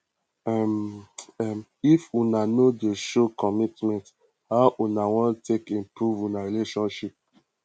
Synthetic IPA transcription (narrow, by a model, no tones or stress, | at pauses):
mifunanodeʃokɔmitmɛ̃nt | haʊʔunawɔ̃ntʰekĩmpɹuvũnaɹileʃɔ̃nʃip̚